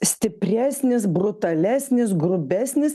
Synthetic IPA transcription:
sʲt̪ʲɪpʲɾʲæːsʲnʲɪsbɾʊt̪ɐlʲæːsʲnʲɪsɡɾʊbʲæːsʲnʲɪs

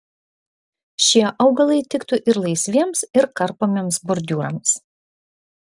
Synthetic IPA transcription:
ʃʲiɛʔɐʊɡɐlˠɐɪt̪ʲɪkt̪ʊʔɪɾlˠɐɪsʲʋʲiɛmsɪɾkɐɾpoːmʲiɛmsbʊɾʲd̪ʲuːɾɐ̰ms

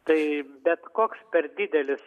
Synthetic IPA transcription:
t̪ɐɪbʲɛt̪koːkspʲɛrd̪ʲɪd̪ʲɛlʲɪs

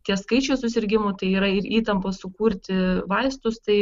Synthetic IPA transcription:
t̪ʲiɛskɐɪt͡ʃʲoːsʊsʲɪɾʲɡʲɪmoːt̪ɐɪiːɾɐɪɾiːt̪ɐmpossʊkuːɾʲt̪ʲɪʋɐɪst̪ʊst̪ɐɪ

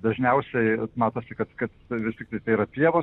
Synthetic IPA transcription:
d̪ɐʒʲnʲɛʊsʲɛɪmɑːt̪oːsʲɪkɐt̪kɐt̪ʋʲɪst̪ʲɪk̚t̪ɐɪt̪ɐɪiːɾɐpʲiɛʋoː

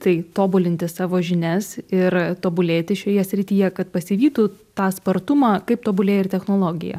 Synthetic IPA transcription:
t̪ɐɪt̪oːbʊlʲɪnʲt̪ʲɪssɑːʋoːʒʲɪnʲɛsɪɾt̪oːbʊlʲeːt̪ʲɪʃʲoːjɛsʲɾʲɪt̪ʲiːjɛkɐt̪pɐsʲɪʋʲiːt̪uːt̪ɑːspɐɾt̪ʊmɑːkɐɪp̚t̪oːbʊlʲeːjɪrt̪ʲɛxnoːlˠoːɡʲɪ̰jɛ̰

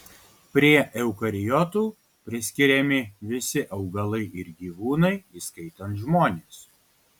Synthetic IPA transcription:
pʲɾʲiɛʔɛʊkɐɾʲɪjɔt̪uː | pʲɾʲɪsʲkʲɪɾʲɛmʲɪʋʲɪsʲɪʔɐʊɡɐlˠɐɪʔɪɾɡʲiːʋuːnɐɪiːskɐɪt̪ɐnt̪ʒmoːnʲeːs

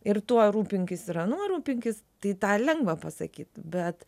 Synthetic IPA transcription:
ɪrt̪uɔɾuːpʲɪŋʲkʲɪsɪɾɐnuɔɾuːpʲɪŋʲkʲɪs | t̪ɐɪt̪ɑːlʲɛŋɡʋɐpɐsɐ̰kʲiːt̪bʲɛt̪

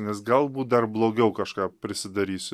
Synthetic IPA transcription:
nʲɛsɡɐlˠbuːt̪̚d̪ɐrblˠoːɡʲɛʊkɐʃkɑːpʲɾʲɪsʲɪd̪ɐɾʲiːsʲ

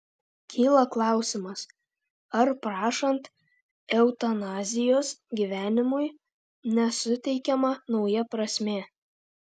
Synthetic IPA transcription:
kʲʰiːlˠɐklˠɑˑʊsʲɪmɐs | ɐɾpɾɑːʃɐnt̪ | ɛʊt̪ɐnɑːzʲɪjoːsɡʲiʋʲæːnʲɪmʊɪ | nʲɛsʊt̪ʲɛɪkʲɛmɑnɒʊjɛpɾɐsʲmʲeː

